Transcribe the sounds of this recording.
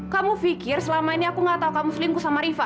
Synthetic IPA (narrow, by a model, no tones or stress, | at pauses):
kamufikɪrsəlamainiakuŋat̪aukamuslimkusamaɾifa